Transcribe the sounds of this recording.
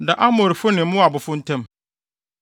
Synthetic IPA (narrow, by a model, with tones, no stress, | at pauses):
da˨ʔa˦mɔ˨ɾi˨fʊ˦nɪ̃˨m˦mʊ̃˦a˨bʊ˨fʊ˦n̩˦tʰɛ̃˦m